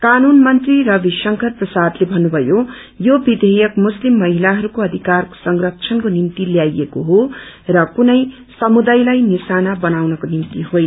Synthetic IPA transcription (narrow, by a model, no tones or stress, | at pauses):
kanunmʌnt̪rirʌbiʃʌŋkʰʌrprʌsad̪lebʱʌnːubʱʌjo | jobid̪ʱejʌkmuslimːʌɦilaɦʌɾukoʌd̪ʱikarko̥sʌŋrʌk̚t͡sʰʌnkonimt̪iljajekoɦo | rʌkunʌj | sʌmud̪ajlajnisanabʌnawnʌkonimt̪iɦojnʌ